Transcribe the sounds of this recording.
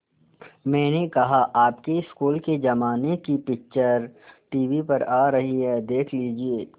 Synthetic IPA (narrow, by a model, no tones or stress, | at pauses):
mɛ̃ːnekɐɦaʔaːpkeɪskuːlked͡ʒɐmaːnekipɪkt͡ʃəɾʈiːʋipɐɾaːɾɐɦiɦɛːd̪eːkʰliːd͡ʒieː